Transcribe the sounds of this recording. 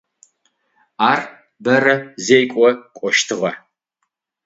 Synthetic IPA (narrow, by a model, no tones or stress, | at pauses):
aːr | bɐrɐzejkʷʼɔkʷʼɔʃtʰɨʁɐ